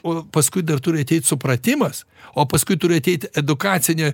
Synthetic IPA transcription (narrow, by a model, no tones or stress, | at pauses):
oːpɐskʊɪd̪ɐrt̪ʊɾʲɪɐt̪ʲɛɪt̪ʲsʊpɾɐt̪ʲɪmɐs | oːpɐskʊɪt̪ʊɾʲɪɐt̪ʲɛɪt̪ʲɛd̪ʊkɑːt̪sʲɪnʲoː